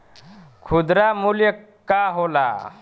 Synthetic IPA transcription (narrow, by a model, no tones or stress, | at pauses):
kʰud̪ɾamuljə | kaɦola̰